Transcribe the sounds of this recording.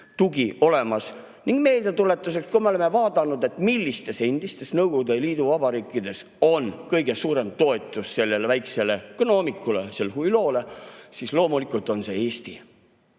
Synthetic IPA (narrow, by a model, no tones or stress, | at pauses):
t̪uɡiʔo̞le̞mɑs | niŋɡ̥me̞ːld̪̥e̞t̪ule̞t̪ːˑus̬e̞kskumeole̞mevɑːd̪̥ɑnud̪e̞t̪ːˑmilʲːist̪e̞send̪̥ist̪e̞snɤwɡ̥ud̪eliːd̪uvɑbɑɾiːkːˑid̪e̞s | o̞nkɤjɡ̥e̞suːɾe̞mt̪o̞et̪ˑːusse̞lːe̞lvæjkse̞le̞kono̞ːmikːˑule̞̰se̞lhujlo̞ːlesislo̞ːmulikˑult̪ˑo̞nse̞eːst̪i